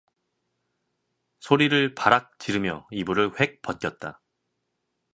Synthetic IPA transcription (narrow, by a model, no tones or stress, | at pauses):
sʰoɾiɾɯɭpaɾak̚t͡ɕiɾɯmjʌibuɾɯɭɸwe̞k̚p͈ʌt̚k͈jʌt̚t͈a